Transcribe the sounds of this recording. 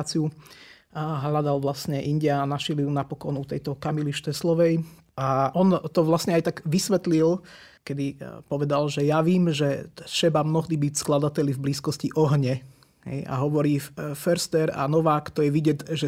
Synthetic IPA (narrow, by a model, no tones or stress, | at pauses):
t͡siu | ɦlad̪alʋlasɲɛʔinɟɛanaʃilijunapɔkɔnut̪ɛjt̪ɔkamiliʃt̪ɛslɔʋɛj | aʔɔnt̪ɔʋlasɲɛajt̪aɡʋisʋɛt̪lil | kɛd̪ipɔʋɛd̪alʒɛjaʋiːmʒɛʃɛbamnɔɦd̪ibicsklad̪at̪ɛʎivbliːskɔsciʔɔɦɲɛ | ɦɛ̰ja̰ɦɔʋɔɾiːfɛɾst̪ɛɾa̰nɔʋaːkt̪ɔjɛʋiɟɛtʒɛ